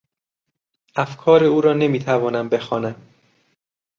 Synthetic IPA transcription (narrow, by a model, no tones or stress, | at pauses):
æfkʰɒːɾeuːɾɒːne̞miːt̪ʰævɒːnæmbe̞xɒːnæm